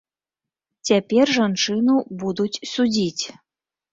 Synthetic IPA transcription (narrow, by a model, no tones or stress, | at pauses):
t͡sʲapʲɛrʐant͡ʂɨnubud̪ut͡sʲsud͡zʲit͡sʲ